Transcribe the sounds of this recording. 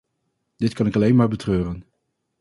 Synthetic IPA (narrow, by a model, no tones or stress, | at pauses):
d̥ɪtkɑnɪkɑlejnmaːɹbətrøːrən